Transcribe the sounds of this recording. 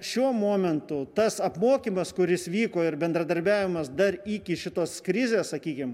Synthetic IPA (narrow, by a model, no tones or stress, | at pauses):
ʃʲuɔmoːmʲɛnt̪ʊt̪ɐsɐpmoːkʲiːmɐskʊɾʲɪsʋʲiːkoːɪrbʲɛnd̪ɾɐd̪ɐɾʲbʲæːʋʲɪmɐsd̪ɐɾiːkʲɪʃʲɪt̪oːskɾʲɪzʲeːssɐkʲiːkʲɪm